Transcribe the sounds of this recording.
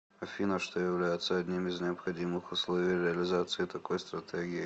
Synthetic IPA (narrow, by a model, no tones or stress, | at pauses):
ɐfʲinaʂt̪ojɪvlʲæjɪt̪səɐdʲnʲimɪznʲɪɐpxɐdʲimɨxʊslˠovʲijɾʲɪɐlʲɪzat̪sɨɪt̪ɐko̞jst̪ɾɐt̪ɛɡʲɪɪ